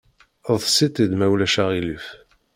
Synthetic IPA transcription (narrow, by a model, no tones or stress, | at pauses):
əðˤsit̪ˤid̪mæwlæʃaʁiləf